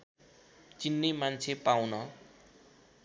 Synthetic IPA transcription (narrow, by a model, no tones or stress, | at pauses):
t͡sinːemant͡sʰepawnʌ